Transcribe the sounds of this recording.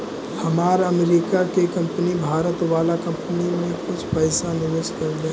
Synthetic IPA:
hɐmaːɾɐmɾiːkakekɐ̃mpənibʱaːɾət̪ʋaːlakɐ̃mpənimẽkʊt͡ʃʰpɐːsanɪʋɪskɐɾd̪e

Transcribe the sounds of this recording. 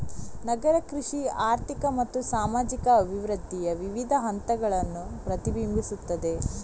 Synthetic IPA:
nɐɡɐɾɐkɾuʂiaːɾt̪ʰikɐmɐt̪ːusaːmaːd͡ʒikɐʋʱiʋɾɐd̪ːijɐʋiʋid̪ʱɐɦɐnt̪ɐɡɐɭɐnːupɾɐt̪ibimbʱisut̪ːɐd̪e̞

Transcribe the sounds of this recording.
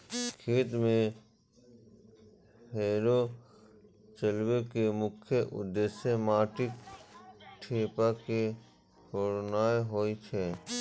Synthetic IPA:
kʰeːt̪mẽ | ɦeːɾo | t͡ʃəlwekemʊkʰjəʔʊ̰d̪eːsemaːʈɪk | ʈʰeːpake | tʰoːɾnaːeɦoːit͡ʃʰɛː

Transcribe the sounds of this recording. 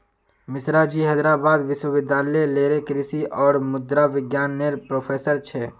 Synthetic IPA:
mɪsɾaːd͡ʒiːɦɛːd̪ɾaːbaːd̪ʋɪʃwəʋɪd̪ʱaːleleːɾekɾɪsiʔɔːɾmʊd̪ɾaʋɪɡjaːnːelpɾoːpʰeːsəɾt͡ʃʰɛː

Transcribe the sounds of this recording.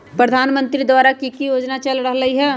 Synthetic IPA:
pɾəd̪ʱaːnmə̃nt̪ɾid̪waːɾakikijoːd͡ʒnat͡ʃɐlɾəɦləɦiɦɛː

